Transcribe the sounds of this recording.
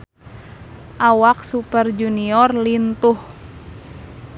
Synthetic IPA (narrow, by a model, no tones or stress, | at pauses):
ʔawak̚supərd͡ʒuniɔrlint̪uh